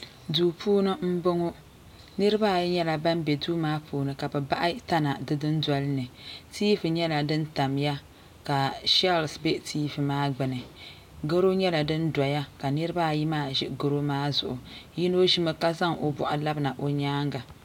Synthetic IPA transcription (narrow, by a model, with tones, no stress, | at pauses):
duː˨pʰuː˦nɨ˦m̩˦bo˦ŋo˦ | nɨ˦ɾɨ˦ba˦˨jɲɛ˦la˨ba˦mbɛ˨duː˦maː˦pʰuː˨nɨ˨ka˨bɨ˨ba˦ʔa˦ta˦na˨dɨ˦dɨ˦ndɔ˦lɨ˦nɨ˨tiː˦fɨ˨ɲɛ˦la˨dɨ˦n˦ta˨mja˦ | ka˨ʃa˦˨lsbɛ˦tiː˦˨vɨ˨maː˦ɡ͡bɨ˨nɨ˨ | ɡo˦ɾo˦ɲɛ˦la˨dɨ˦nda˨ja˦ka˨nɨ˦ɾɨ˦baː˦˨ji˦maː˦˨ʒɪ˦ʔɡo˦ɾo˦maː˦zʊ̰˨ʔʊ˨ji˦no˦ʒi˦mɨ˦ka˦za˦ŋo˨bɔ̰˨ʔa˨la˦bna˨ʔo˨ɲaː˦ŋɡa˨